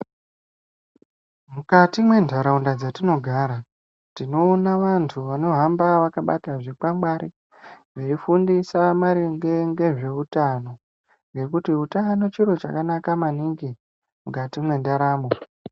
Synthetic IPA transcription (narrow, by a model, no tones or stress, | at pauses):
mukatimwe̞ndʱaɾaundad͡zatino̞ɡʱaɾa | tino̞ːnaʋantʰuʋano̞ɦambaʋakaɓa̰taʐik͡pamɡ͡baɾi | ʐeifundisamaɾiŋɡeŋɡe̞ʐe̞utano̞ | ŋɡe̞kutiutano̞t͡ʃiɾo̞t͡ʃa̰kanakamaniŋɡi | mukatimwe̞ndaɾaːmbo